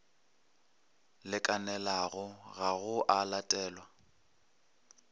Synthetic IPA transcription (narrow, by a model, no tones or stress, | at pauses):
lɪkʼanɛlaɣʊɣaɣʊʔalatʼɛːlwa